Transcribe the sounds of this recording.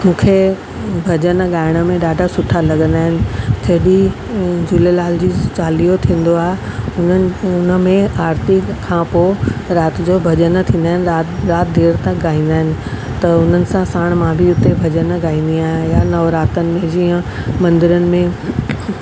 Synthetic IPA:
mũːkʰe | bʱɐd͡ʑənɠaːɪɽ̃ə̆mẽɗaːɖʱasʊʈʰalɐɡə̃nd̪aːɦɪnɪ̆t͡ɕɐɦɪɗi | d͡ʑʊlelaːld͡ʑiːt͡ɕaːlijot̪ʰĩːn̆d̪oaːɦeʊnʊnə̆mẽaːɾt̪ɪkkʰːãpoːɾaːt̪d͡ʑobʱɐd͡ʑənt̪ʰĩːn̆d̪aːɦɪnɪaɾaːt̪̚d̪ʱeːɾt̪ãɠaːĩːn̆d̪aːɦɪnɪ̆ | t̪ɐʊn̤ənɪ̆sãsaːɽ̃mãbʱiʊt̪ebʱɐd͡ʑənɠaːĩːn̆d̪iaːɦjanɐʋɾaːt̪ənɪ̆mẽd͡ʑiːə̃mɐ̃nd̪ɪɾənɪ̆mẽ

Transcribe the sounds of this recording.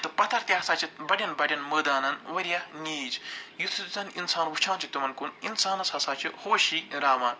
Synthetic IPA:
t̪ɨpɐt̪ʰɐɾt̪ʲɐɦɐsaːt͡ʃʰibɐɽʲɐnbɐɽʲɐnməːd̪aːnɐnʋɐɾʲjɐnʲiːd͡ʒjut̪ʰut̪t͡sɐninsaːnʋut͡ʃʰãːnt͡ʃʰit̪umɐnkuninsaːnɐsɐsaːt͡ʃʰihoːʃiɾaːʋaːn

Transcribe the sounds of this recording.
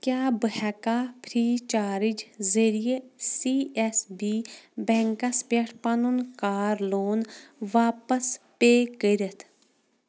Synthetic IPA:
kjaːbəɦɛkaːpʰɾiːt͡ʃaːɾid͡ʒzəɾijesiːɛsbiːbɛ̃ŋkɐspeʈʰpanunkaːɾloːnʋaːpɐspeːkəɾɐt̪ʰ

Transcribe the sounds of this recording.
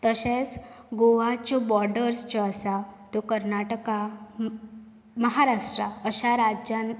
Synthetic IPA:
t̪əɕẽt͡s | ɡoʋat͡ɕɔbɔɾɖəɾst͡ɕɔasat̪ɔkəɾnaʈəka | məɦaɾaʂʈɾaəɕaɾad͡ʑjan

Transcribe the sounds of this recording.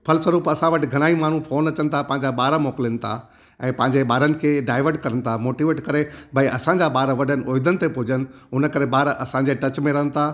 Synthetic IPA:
pʰɐlswɐɾuːpɐsãʋɐʈɪ̆ɡʱɐɽ̃aːimaːɳ̤ũpʰoːnɐt͡ɕənɪ̆t̪ʰapɐ̃ɦɪ̃ɲd͡ʑaɓaːɾmoːkɪlənɪ̆t̪ʰa̰ | ɛ̃ːpɐ̃ɦɪ̃ɲd͡ʑeɓaːɾənɪ̆kʰeːɖaːɪʋəɾɖkɐɾənɪ̆t̪ʰamoːʈiʋeːʈkɐɾebʱɐiʔɐsãːɲd͡ʑaɓaːɾʋɐɗənɪ̆ʔoːɪd̪ənɪ̆t̪epʊɦɪd͡ʑənɪ̆ʊnəkɐɾeɓaːɾʔɐsãɲd͡ʑeʈɐt͡ɕmẽɾɐɦənɪ̆t̪ʰa

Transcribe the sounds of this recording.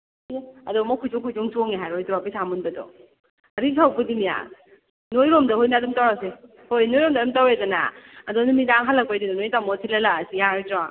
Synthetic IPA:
ɐdɔmɔkʰud͡ʒɔŋkʰud͡ʒoŋsɔŋeɦajɾojtɾapisamunbadɔ̰ | ɾisʰawpudimija̰ | nojɾɔmdahojnadumtawɾawse | hojnojɾɔmdadumtawedana̰ːdɔnumidaŋɦalːak̚pajdidɔnojtamɔtʰilalasijaɾjtɾa

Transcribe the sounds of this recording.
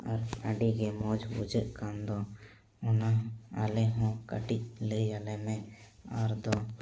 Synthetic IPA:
əɾəɖikemoːd͡ʒbʊ̰d͡ʒəʔkãːnd̪õː | ʊnaa̰ːleɦõkə̰ʈileːaːlemẽaɾd̪õː

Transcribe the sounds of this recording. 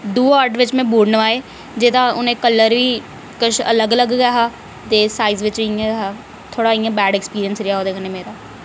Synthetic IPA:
d̪uːaːɾɖʋɪt͡ʃmɛ̃ːbuːɖnəʋaːeː | d͡ʒeːt̪ãːʊnẽːkəlːəɾʋiː | kʊʃə̰ləɡələɡɡɛɦaː | t̪eːsaːiːzʋɪt͡ʃijãːɡɦaː | t̪ʰoːɽaːijãːbɛːɖɛːkspiːɾijənsɾɪjaːɦoːd̪eːkənẽːmeːɾaː

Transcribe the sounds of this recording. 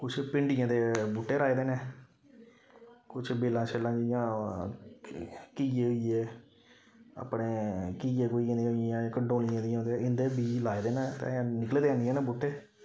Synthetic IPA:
kʊt͡ʃʰpɪɳɖɪjãːd̪eːbuːʈːeːɾaːeːd̪eːnẽː | kʊt͡ʃʰbeːlãːt͡ʃʰeːlãːd͡ʒɪjãː | kiːeːɦoieː | a̰pɽeːkiːeːkoːiãːd̪ĩɦijãːkəɳɖõːlɪjãːd̪ɪjãːõːnd̪eɪnd̪eːbiːlaːed̪eːnãːt̪ḛ̃ːãːnɪkəleːd̪eãːnd̪ijãːneːbuːʈːeː

